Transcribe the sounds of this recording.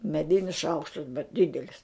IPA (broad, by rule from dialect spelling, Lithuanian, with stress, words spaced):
mʲɛˈdʲɪnʲɪs ˈʃɐʊkʃtɐs bʲɛt ˈdʲɪdʲɛlʲɪs